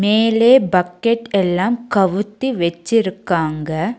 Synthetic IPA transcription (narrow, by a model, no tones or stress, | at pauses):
meːleːbɐkːɛʈːɛlːaːmkɐʋɯt̪ːiʋɐt͡ʃːɪɾɯkːaːŋɡɐ